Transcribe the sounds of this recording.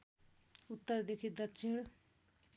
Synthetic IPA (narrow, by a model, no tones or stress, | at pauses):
ʊt̪ːəɾd̪ekʰid̪ɐtːʃʰiɽ